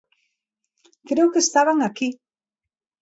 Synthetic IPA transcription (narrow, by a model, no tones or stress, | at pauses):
kɾeokest̪aβaŋaki